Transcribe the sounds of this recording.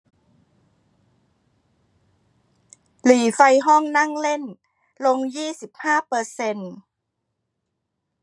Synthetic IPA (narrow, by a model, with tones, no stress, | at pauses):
liː˨˩˦fa˧jɦɔ˥˩ŋna˥˩ŋle˥˩n | lo˧ŋjiː˥˩si˨˩p̚haː˥˩pɤː˧se˧n